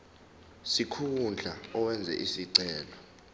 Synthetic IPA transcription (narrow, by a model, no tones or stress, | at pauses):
sikʰund͡ɮʱaɔwɛnd͡zʱɛ̰ʔisiǀɛːlɔ